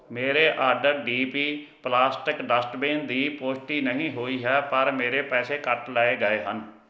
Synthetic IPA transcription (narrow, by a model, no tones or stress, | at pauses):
meːɾeːʔaːɾɖəɾɖiːpiː | plaːsʈɪkɖəsʈbẽːnd̪iːpoːsʈiːnəɦĩːɦoːiːɦɛːpəɾmeːɾeːpɛːseːkəʈlaːeːɡəeːɦən